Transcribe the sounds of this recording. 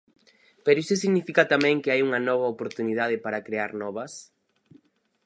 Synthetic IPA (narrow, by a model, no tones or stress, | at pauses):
peɾoisosiɣnifikɐt̪amɛ̃ŋkɪajuŋɐnɔβ̞ɐopoɾt̪unið̞að̞ɪpaɾakɾeaɾnɔβɐs